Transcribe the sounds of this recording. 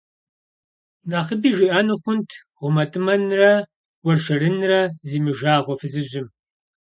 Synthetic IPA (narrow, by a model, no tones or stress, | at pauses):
naːχəbiːʒiʔaːnɨχʷʊntʰ | ʁʷʊmɐtʰɨmɐnrɐ | wɐrʃɐrɨnrɐziːmɨʒaːʁʷɔfɨzɨʑɪm